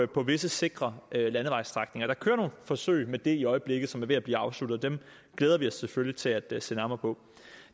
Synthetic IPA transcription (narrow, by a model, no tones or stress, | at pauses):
pʰɒ̽ʋe̝səse̝ɡ̥ʁɐølænəʋɑ̈ɪst͡sʁɑ̈ɡ̥ne̝ŋɐɾ̥ɑ̈kʰøːɐno̝ːnfɒ̽sø̰ɪmed̥e̝iɒ̽ɪəb̥le̝ɡ̥ð̩ˠsɒ̽mæɐʋeæb̥liːɑ̈ʊslud̥ð̩ˠd̥em | ɡ̥leːðˠɐʋiɒ̽sːeføljit͡sʰe̝læd̥sḛnɑ̈mɐpʰɔ̽